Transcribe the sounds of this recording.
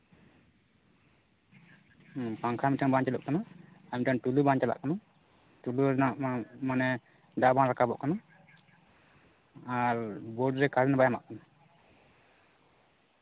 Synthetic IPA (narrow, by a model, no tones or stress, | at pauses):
paŋkʰamiʈaŋbaɲt͡ʃalṵʔkanaamiʈaŋʈulubãɲt͡ʃala̰ʔkana | ʈulunaʔmanɛ | ɖaʔbanɾakʰabɔ̰ʔkana | aɾboɖɾɛkaɾɛnabajama̰ʔkana